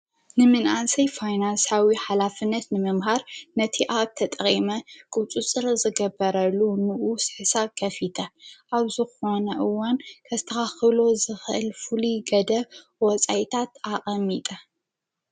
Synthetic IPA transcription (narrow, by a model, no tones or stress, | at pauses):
nɨmɨnʔansɐjfajnansawiħalafɨnːɐt̪nɨmɨmɦaɾnɐt̪ʰiʔab̚t̪ʰɐt̪ʼɐχʼimɐkʼut͡sʼut͡sʼɨɾzɨɡɐbɐɾɐlːunɨʔusɨħsakʰɐfit̪ʰɐʔaβzɨxo̞nɐʔɨwːankʰɐzɨt̪ʰɐxaxɨlo̞zɨxɨʔɨ̰lfuliɡɐd̪ɐwɔt͡sʼajt̪ʰat̪aʔʼɐmːit̪ʼɐ